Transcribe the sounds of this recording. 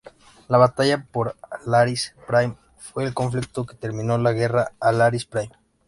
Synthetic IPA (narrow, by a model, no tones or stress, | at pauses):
laβat̪aʝapo̞ɾlaɾispɾajm | fwe̞ːlko̞ɱflik̚t̪o̞ket̪e̞ɾmĩno̞laɣe̞raːlaɾispɾajm